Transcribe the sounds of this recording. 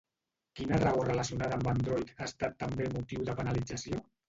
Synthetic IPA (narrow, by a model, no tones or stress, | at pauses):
kinərəɣorələsiunaðəːmband̪ɾɔjt̪ast̪at̪ːəmbemut̪iwðəpənəlid͡zəsio